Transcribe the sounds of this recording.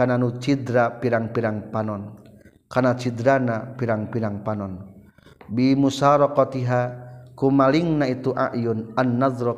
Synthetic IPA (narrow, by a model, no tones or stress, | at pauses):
ananut͡ʃid̪ɾapiɾaŋpiɾaŋpanɔn | kanat͡ʃidɾanapiɾaŋpiɾaŋpanɔn | bimusaɾɔkɔt̪iɦakumaliŋnait̪uʔa̰ʔjunanːadɾɔ